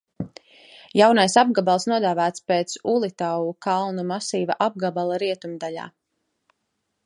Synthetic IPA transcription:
jawnajsab̚ɡabalˠsnuɔd̪aːvæːt̪speːt̪sulˠit̪awukʰalˠnumasiːvaʔab̚ɡabalˠaɾiɛt̪umd̪aʎa̰ː

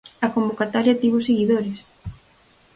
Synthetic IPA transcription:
ɐkombokat̪aɾjɐt̪iβʊseɣiðoɾes

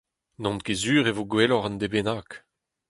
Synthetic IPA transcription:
nɔ̃nt̪kezyːʁevoɡwelɔʁɑ̃nd̪ebenak

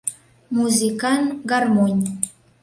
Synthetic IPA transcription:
muzikɑnɡɑrmonʲ

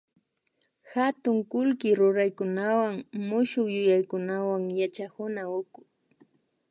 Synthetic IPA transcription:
xat̪ʊŋkʊlkɪɾʊɾajkʊnawaŋmʊʃʊkjʊjajkʊnawaŋjat͡ʃahʊnaʊkʊ

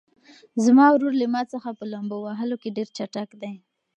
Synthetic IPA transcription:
zmɑwɾoɾlimɑt͡səxapəlambowaɦəlokeɖeɾt͡ʃaʈakd̪aj

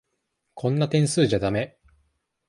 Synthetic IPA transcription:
kʰõ̞nːat̪ẽ̞ɰ̃sɨːʑad̪ame̞

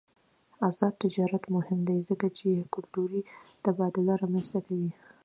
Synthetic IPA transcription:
azɑd̪̚t̪ɪd͡ʒɑɾat̪mʊhɪmd̪ajzəkat͡ʃekʊlt̪uɾid̪̥əbɑd̪ɪlaɾɑmanst̪akawi

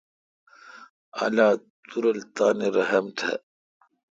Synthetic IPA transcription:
ɐ̰laːt̪uɾɐlt̪aːneɾɐɦɐmt̪ʰḛ

